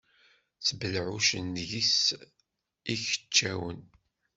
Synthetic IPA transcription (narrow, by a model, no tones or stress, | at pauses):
t͡sbəlʕuʃənʝis | içə̥t͡ʃːæwə̰n